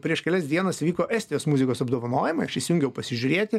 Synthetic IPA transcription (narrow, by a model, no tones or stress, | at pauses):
pʲɾʲiɛʃkʲɛlʲɛsd̪ʲiɛnɐsʋʲiːkoːʔɛːsʲt̪ʲɪjoːsmuzʲɪkoːsɐbd̪oːʋɐnoːjɪmɐɪɐʃisʲjuŋʲɡʲɛʊpɐsʲɪʒʲʊɾʲeːt̪ʲɪ